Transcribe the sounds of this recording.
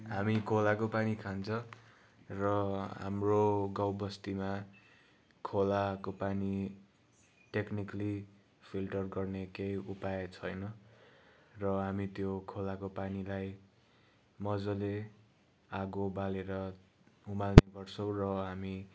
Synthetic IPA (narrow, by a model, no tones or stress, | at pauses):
ɦamikʰolakopanikʰant͡sʰʌ | rʌɦa̰mroɡawbʌst̪ima | kʰolakopani | ʈeknikʌli | pʰilʈʌrɡʌrnekejupajet͡sʰʌjnʌ | rʌɦamit̪jokʰolakopanilaj | mʌd͡zole | aɡobaleɾʌ | umalnebʌrt͡sʰʌw̃rʌɦami